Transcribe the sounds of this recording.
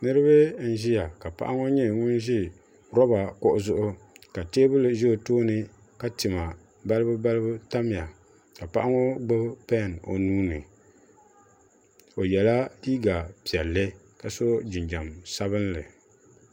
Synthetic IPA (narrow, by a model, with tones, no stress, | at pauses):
nɨ˦ɾɨ˦βɨ˦n̩˦ʒi˦ja˨ka˨pa̰˨ʔa˦ŋo˦ɲɛ˦ŋʊ˦n˦ʒɪ˦ | ɾɔ˦ba˨kʊ˦ʔʊ˦zʊ˦ʔʊ˦ | ka˨teː˦bɨ˦lɨ˨ʒɛ˦˨toː˦nɨ˦ | ka˦tɪ˨ma˨ | ba˦lɨ˦bɨ˦ba˦lɨ˦bɨ˦ta˦mɪ˨a˨ | ka˨pa˦ʔa˦ŋo˦ɡ͡ba˦pɛ˦˨no̰˨nuː˦nɨ˨ | o˨jɛ˨la˦iː˦ɡa˨pi˨ɛ˨lːɨ˦ | ka˨so˦d͡ʒɪ˨nd͡ʒa˨msa˦bɨ˦n˦lɨ̰˨